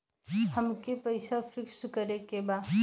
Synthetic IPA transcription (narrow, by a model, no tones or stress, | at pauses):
həmkepəɪsafʰɪkskəɾekebaː